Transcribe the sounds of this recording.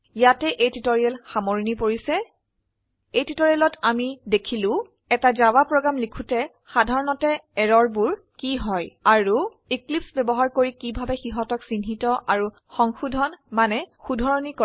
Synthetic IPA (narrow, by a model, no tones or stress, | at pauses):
jatɛʔejtitoɹialxamoɹinipoɹisɛ | ejtitoɹialɔtamidekʰilʊ̃ | ɛtazawapɹɔɡɹamlikʰutɛ | xadʱaɹɔnɔtɛɛɹɔɹbuɹ | kiɦɔjaɹu | iklipsbɛbɔɦaɹkoɹikibʱabɛxiɦɔtɔksinɦitɔʔaɹu | xɔŋxudʱɔnmanɛxudʱɔɹɔnikɔ